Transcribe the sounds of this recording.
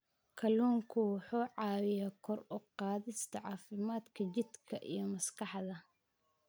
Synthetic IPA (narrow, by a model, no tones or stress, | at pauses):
kʰɐluːŋkʰʊwʊħuːʕɑːwɪjaːkʰɔrʊqɑːðɪst̪ʰɐʕɑːfɪmaːd̪kʰɐt͡ʃɪd̪kʰɐʔḭjɞmɐskʰɑħðɐ